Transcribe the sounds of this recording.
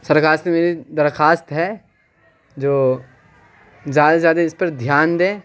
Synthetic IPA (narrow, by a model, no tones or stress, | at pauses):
sɐɾkaːɾsemeːɾid̪ɐɾxaːst̪ɦɛ | d͡ʒoː | zjaːd̪azjaːd̪aɪspɐɾd̪ʱjaːnd̪ẽː